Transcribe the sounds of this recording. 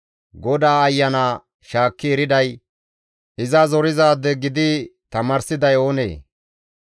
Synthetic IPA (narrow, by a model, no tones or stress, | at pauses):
ɡɔd̪aːɐjːɐnaː | ʃaːkːɪɛɾɪd̪ɐj | ʔɪzɐzɔɾɪzaːd̪ɛɡɪd̪ɪt̪ɐmɐɾsɪd̪ɐjo̞ːnḛː